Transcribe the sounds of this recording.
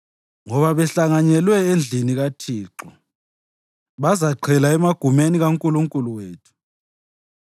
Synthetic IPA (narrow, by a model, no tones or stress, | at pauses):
ŋɔβaβɛɬaŋaɲɛlwɛend͡ɮʱiniɣatʰiːǁɔ | βazaǃʰɛlaɛmaɡ̥ʱumeniɣaŋkʼuluŋkʼuluweːtʰu̥